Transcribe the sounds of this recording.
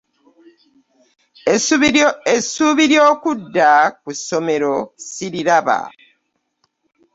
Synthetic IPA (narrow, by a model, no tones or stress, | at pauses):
esuːβiɾjo̞ːkudːakuso̞me̞ɾo̞siɾiɾaβa̰